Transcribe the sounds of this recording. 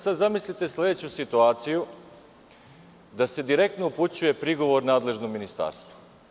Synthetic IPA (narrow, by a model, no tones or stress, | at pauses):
sad̪zamislit̪e̞slʲe̞d̪et͡ɕusit̪uaːt̪siju | d̪ase̞d̪iɾe̞k̚t̪nouput͡ɕuje̞pɾiɡo̞ʋo̞ɾnaːd̪le̞ʒnominist̪a̰ːɾst̪ʋo